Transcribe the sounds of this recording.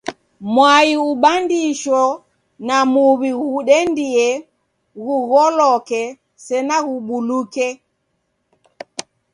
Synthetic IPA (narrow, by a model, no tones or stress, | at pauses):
mwaiuɓandiʃɔ | namuβiɣuɗɛndiɛ | ɣuɣɔlɔkɛ | sɛnaɣuɓulukɛ